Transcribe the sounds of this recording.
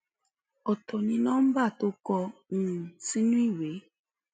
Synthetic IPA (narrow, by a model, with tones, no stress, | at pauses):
ɔ˨tɔ˨ɲi˦nɔ˦m̩˦ba˦˨tʊ˦kɔ˦n̩˨si˦nu˦i˦we˨˦